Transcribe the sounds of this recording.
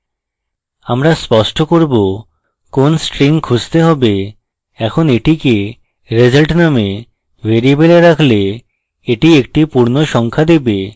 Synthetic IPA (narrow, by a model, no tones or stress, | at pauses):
amɾaspɔʃʈokoɾbo | konsʈɾiŋkʰud͡ʑt̪eɦɔbe | ɛkʰoneʈike | ɾed͡ʑalʈname | veɾiebeleɾakʰle | eʈiek̚ʈipuɾnoʃɔŋkʰad̪ebe